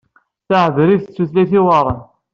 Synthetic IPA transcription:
θaʕəðɾiðt͡sːuθlæθiwɑrˤən

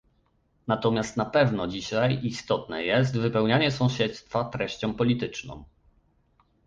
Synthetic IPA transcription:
nat̪ɔmʲjast̪napɛvnɔd͡ʑiɕajist̪ɔt̪nɛ̰jɛst̪vɘpɛwɲaɲɛsɔ̃w̃ɕɛt̪st̪fat̪ɾɛɕt͡ɕɔ̃w̃pɔlʲit̪ɘt͡ʂnɔ̰̃w

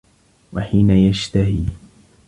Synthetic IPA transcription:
waħiːnajaʃt̪ahiː

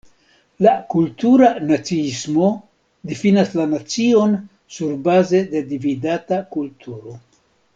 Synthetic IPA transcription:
lakultuɾanat͡siismo̞ | difinaslanat͡sio̞n | suɾbaze̞de̞dividatakultʰuɾo̞

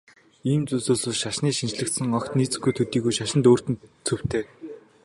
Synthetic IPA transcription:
iːmt͡sɵsɵːɮoːɮʃaʃniːʃint͡ɕɮɘ̆kt̪sɘ̆ŋɔkt̪niːt͡sɘ̆ɡujt̪ʰɵt̪iːɣujʃaʃɪ̆nt̪oːr̥t̪ɘ̆nt͡sʰɵw̥t̪ʰeː

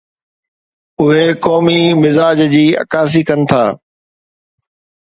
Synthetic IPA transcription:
ʊɦekɔːmimɪzaːd͡ʑd͡ʑiːɐ̰kaːs̬ikɐnɪ̆t̪ʰaː

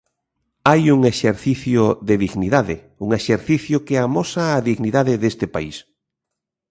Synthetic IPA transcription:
ajuŋeʃeɾθiθjʊðeðiɣniðaðɪ | uŋeʃeɾθiθjʊkeamɔsaːðiɣniðaðɪðest̪ɪpaḭs

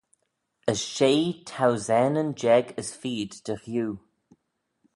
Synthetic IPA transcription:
əsʃeːtʰawzɛnənd͡ʒɛɡəsfiːd̪d̥əxjuː

